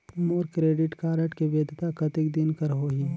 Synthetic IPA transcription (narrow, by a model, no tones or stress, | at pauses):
moːɾkɾeːɖɪʈkaːɾəʈkeʋeːd̪ʱɪt̪akɐt̪ɪk̚d̪ɪnkəɾɦoːɦĩ